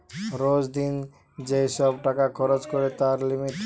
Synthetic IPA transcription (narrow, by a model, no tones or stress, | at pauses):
ɾod͡ʒd̪in | d͡ʒesɔbʈakakʰɔɾod͡ʒkɔɾet̪aɾlimit̪